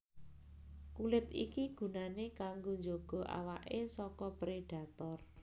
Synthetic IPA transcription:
kulɪt̪ḭkiɡ̥ṳnanekaŋɡoɲd͡ʒoɡ̥ɔ̤ʔa̰waʔesɔkɔpɾeɖ̥a̤t̪ɔr

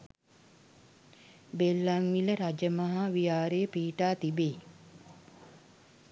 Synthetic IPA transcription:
belːaŋʋiləɾad͡ʒəmaɦaʋijaːɾejəpiːʈaːt̪ibeː

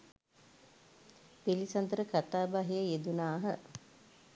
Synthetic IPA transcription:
pilisand̪əɾəkat̪aːbaɦijəjed̪unaːɦə

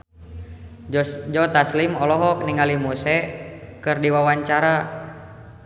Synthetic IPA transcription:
d͡ʒɔt̪aslimɔlɔɦɔk̚niŋalimusɛkɨrdiwawaɲt͡ʃaɾa

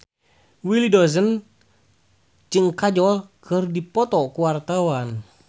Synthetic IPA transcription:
wilidɔzən | d͡ʒɨŋkad͡ʒɔlkʰɨrdipɔt̪ɔkuwart̪awan

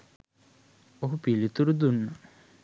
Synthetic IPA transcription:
oɦupilit̪uɾud̪unːə

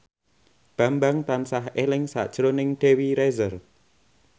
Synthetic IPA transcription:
b̥a̤mbaŋt̪ansaɦelɪŋsa̰ʔd̥ʒ̥ɾonɪŋɖ̪̥e̤wiɾɛzər

